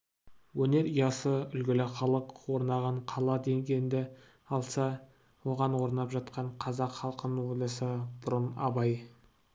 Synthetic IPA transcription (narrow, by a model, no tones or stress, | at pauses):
wɵne̞ɾijɑsəʏlɡʲɪlɪχɑlˠəqwo̞ɾnɑʁɑɴqʰɑlˠɑd̪e̞ŋɡʲejnd̪ɪ | ɑlˠsɑ | wo̞ʁɑnwo̞ɾnɑpʒɑt̪qɑɴqʰɑzɑqχɑlˠqənəlʲɑsəb̥ʊɾənɑ̰bɑj